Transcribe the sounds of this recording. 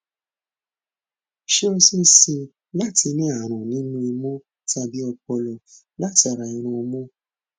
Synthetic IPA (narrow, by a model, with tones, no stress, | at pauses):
ʃe˦o˧si˦si˧ | la˦˨ti˧nĩ˦a˦˨ɾ̃ũ˨nĩ˨˦nũ˦i˧mɔ̃˦ | ta˧bi˦ɔ˧k͡pɔ˧lɔ˨ | la˦˨ti˧a˧˨ɾa˧˨ĩ˧ɾ̃ũ˧mɔ̃˦